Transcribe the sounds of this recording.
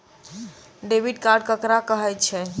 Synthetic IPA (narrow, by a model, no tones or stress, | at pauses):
ɖebiɖkaɾɖ̚kəkɾakəɦɛt͡ʃʰɛ